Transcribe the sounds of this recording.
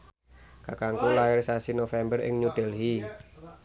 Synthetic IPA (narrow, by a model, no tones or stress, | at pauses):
kakaŋkulairsasinofɛmbərɪ̰ŋɲud̪̥ɛlɦi